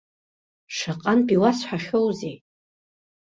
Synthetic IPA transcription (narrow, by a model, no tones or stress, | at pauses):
ʂaqʼanpʼiwasħʷaχʲowze